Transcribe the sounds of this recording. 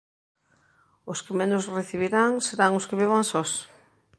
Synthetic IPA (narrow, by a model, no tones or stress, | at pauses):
ʊskɪmenʊsreθiβiɾaŋseɾaŋʊskɪβiβaŋsɔs